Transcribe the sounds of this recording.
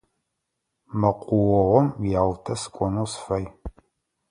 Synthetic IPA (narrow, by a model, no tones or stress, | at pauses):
mɐqʷʼʊwɔʁʷɔmjaːwtʰɐsɨ̥kʷʼɔnosfɐj